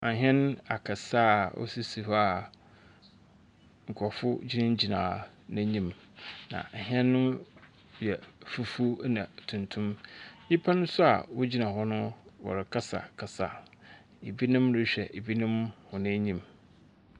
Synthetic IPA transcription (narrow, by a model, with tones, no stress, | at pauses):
ʔa˨ɦɛ̃˦n˦a˨kʰa˨sa˦ʔɔ̰˦si˦si˨ha˨ | ŋ̩˨kʰɔ˨fʊ˦d͡ʑi˦nã˦ɲ˦d͡ʑi˨nã̰ː˨nã˦ɲĩ˨m | nã̰˨ɦɛ̃˦nːʊ̃˦ | jɛ˨fu˦fu˦nã˨tʰũ˨ntʰũ˦mji˦pʰa˦nʊ̃˦sʊ˦a̰˨wʊ˦d͡ʑi˦nã˨hɔ˦nʊ̃˦wɔ̰˨ɾɪ˨kʰa˦sa̰˨kʰa˨sa̰˨ | e˨bi˦nɪ̃˦mɾɪ˦ɕᶣɛ˨ʔe˨bi˦nɪ̃˦mhʊ̃˨nã˦ɲĩ˦˨m